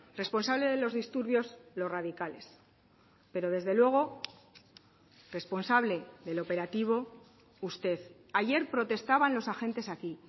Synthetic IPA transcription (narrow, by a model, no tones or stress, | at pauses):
re̞spo̞nsaβle̞ðe̞lo̞zðist̪uɾβjo̞zlo̞sraðikale̞s | pe̞ɾo̞ð̞e̞zðe̞lwe̞ɣ̞o̞ | re̞spo̞nsaβle̞ðe̞lo̞pe̞ɾat̪iβ̞o̞ | ust̪e̞θ | aʝe̞ɾpɾo̞t̪e̞st̪aβanlo̞saxẽ̞nt̪e̞saki